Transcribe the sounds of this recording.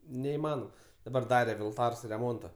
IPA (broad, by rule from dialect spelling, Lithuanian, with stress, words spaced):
nʲɛɪˈmɑːnoːm dɐˈbɐr ˈdɑːrʲɛ ʋʲɪlˠˈtɐrs rʲɛˈmoːntɐ